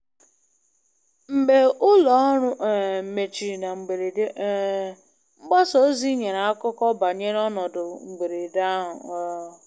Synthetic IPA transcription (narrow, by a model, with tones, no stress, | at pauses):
m̩˨ɡ͡be˨ʔʊ˦lɔ˨˦ɾʊ˦ʔ̩˨me˨t͡ʃi˨ɾi˨na˨ŋ͡m̩˨ɡ͡be˨ɾe˨˦ | ŋ͡m̩˦ɡ͡ba˦so˦zi˦ɲe˨na˨a˦kʊ˦kɔ˦ba˨ɲe˦ɾɔ˦nɔ˨dʊ˨ŋ͡m̩˨ɡ͡be˨ɾe˨da˦ɦʊ˨ɔ˦˨